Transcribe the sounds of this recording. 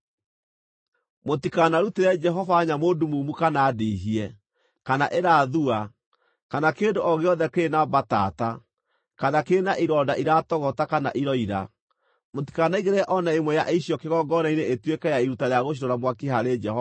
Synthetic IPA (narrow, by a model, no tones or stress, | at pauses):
motikanaɾuteɾɛd͡ʒɛɦɔvaːɲamoːdumumukanaːdeɦiɛ | kanaʔeɾaðua | kanakeːndoʔɔɣeɔðɛkenabata̰ta | kanakeːnaʔiɾɔːdaʔiɾatɔɣɔtakana̰ʔiɾɔiɾa̰ | moti̥kanaiɣeɾɛʔɔnaemwɛjaʔeiɕjɔkeɣɔɡɔnaineʔetwekɛjaiɾutaɾeaɣoʃ̬iɾɔɾamwakeɦaɾed͡ʒɛhɔ